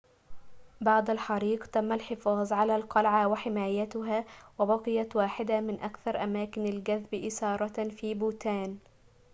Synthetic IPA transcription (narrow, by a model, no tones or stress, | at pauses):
bɑʕd̪alħɑɾiːqt̪amːalħɪfɑːðˤʕalaːlqɑlʕawaħɪmaːjat̪ʊɦaːwabɑqɨjat̪waːħɪd̪amɪnʔakθɑɾˤʔamaːkɪnalɡaðbʔɪsɑːɾˤɑfiːbuːt̪aːn